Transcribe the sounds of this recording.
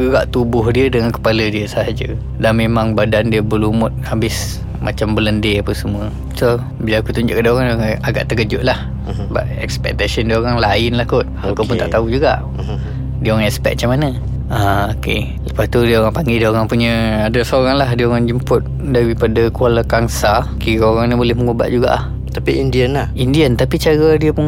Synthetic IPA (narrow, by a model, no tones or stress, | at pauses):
ɡəɡaʔt̪ubʊɦdiədəŋankə̥palədiəsəɦad͡ʒə | danmemaŋbadandiəbəlumʊt̪̚habɪs | mʔa̰t͡ʃambələndeapəsəmuə | so | bilaakut̪uɲd͡ʒʊʔkədəoɣaŋdioɣaŋaɡa̰ʔt̪əkəd͡ʒʊʔlah | ba̰ʔɛkspɛ̰k̚t̪asəndiəoɾaŋlaɪnlahkʊt̪̚akupʊnt̪a̰ʔt̪aud͡ʒuɡa̰ʔ | diəoɣaŋɛkspɛ̰k̚t͡ʃamanə | aoke | ləpast̪udiəoɣaŋpaŋɡidəoɣaŋpuɲəadəsəoɾaŋlahdiəoɣaŋd͡ʒəmpʊt̪̚ | daɾipadakualakaŋsakiɾaoɾaŋnibolɪhməŋoba̰ʔd͡ʒuɡa̰ʔlah | t̪apiindiənlahindiənt̪apit͡ʃaɣədiəpun